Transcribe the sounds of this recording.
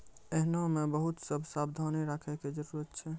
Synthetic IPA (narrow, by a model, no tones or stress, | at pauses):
eɦnamebəɦut̪səbʱsabd̪ʱaniɾakʰɛked͡ʒəɾuɾət̪t͡ʃʰɛ